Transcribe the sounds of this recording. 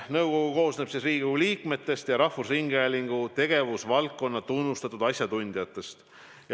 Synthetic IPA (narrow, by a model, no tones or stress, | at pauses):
nɤwko̞ɡ̥uko̞ːsnepsisriːɡuliːkme̞t̪ːe̞st̪jɑɾɑhvusriŋɡælʲiŋɡ̥ut̪e̞ɡ̥e̞vusvɑlkːo̞nːɑt̪unːust̪ɑt̪ud̪̥ɑsʲjɑt̪unʲd̪̥ijɑt̪ːˑe̞st̪ | j